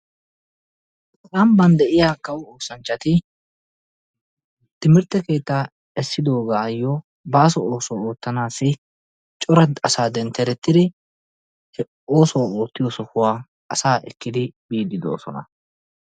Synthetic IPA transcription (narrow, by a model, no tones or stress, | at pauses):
kʼɐmbɐnd̪ɛʔɪjaːkːɐwoːsɐnt͡ʃːɐt̪ɪ | t̪ɪmɪɾt̪ːɛke̞ːt̪ːaː | ɛsːɪd̪o̞ːɡaːjːɔ | baːsɔoːsɔwoːt̪ːɐnaːsːɪ | t͡ʃʼɔɾɐɐsaːd̪ɛnt̪ːɛɾɛt̪ːɪd̪ɪ | h | o̞ːsɔwao̞ːt̪ːɪjɔsɔkʊwaː | ʔɐsaːʔɛ̰kːɪd̪ɪbiːd̪ɪd̪o̰ːsɔ̰nɐ̰